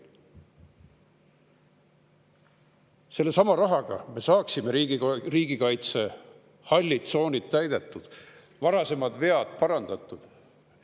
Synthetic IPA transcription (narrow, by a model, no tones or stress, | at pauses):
se̞lːesɑmɑɾɑɦɑɡ̥ɑ̰me̞sɑːksimeɾiɡiriːɡ̥ikɑjt̪se̞ | hɑlʲːit̪so̞ːnʲit̪ːæjd̪̥e̞t̪ˑːud̪̥ | vɑɾɑse̞mɑd̪ve̞ɑd̪̥pɑɾɑnd̪̥ɑt̪ːˑud̪̥